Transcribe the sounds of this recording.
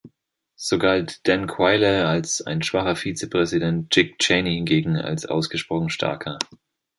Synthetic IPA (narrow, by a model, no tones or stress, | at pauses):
z̥oːɡaltd̥ɛnkʰw̥aɪləalsa̰ɪnʃv̥aχɐfiːt͡səpʁ̥ɛzidɛnt̚t͡ʃɪk̚t͡ʃɛnihɪnɡeːɡŋ̩a̰lsʔa̰ʊsɡ̥əʃpʁ̥ɔχn̩ʃtʰa̰ɐkʰɐ